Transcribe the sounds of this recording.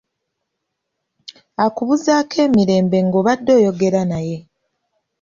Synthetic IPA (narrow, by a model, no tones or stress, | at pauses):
akuβuzaːkʰe̞ːmiɾe̞ːmbe̞ŋɡoβadːo̞ːjo̞ɡe̞ɾanaje̞